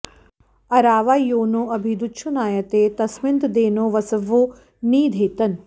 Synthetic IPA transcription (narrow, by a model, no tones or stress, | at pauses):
ɐɾaːʋaːjoːnoːɐbʱid̪utːʃʰunaːjɐt̪eːt̪ɐsmɪnt̪d̪eːnoːʋɐsɐʋoː | niːd̪ʱeːt̪ɐn